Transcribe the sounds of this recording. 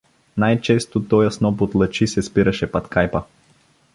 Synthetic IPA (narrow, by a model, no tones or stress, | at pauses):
najt͡ʃɛst̪ot̪ɔjɐsnɔpot̪lˠɐt͡ʃisɛspiɾɐʃɛpɐt̪kajpə